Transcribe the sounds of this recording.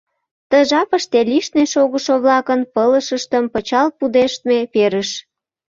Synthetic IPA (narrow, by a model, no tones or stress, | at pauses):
t̪əʒɑpəʃt̪eliʃneʃoɣəʃoβlɑkənpələʃəʃt̪əmpət͡ɕɑlpud̪eʃt̪̚mepeɾəʃ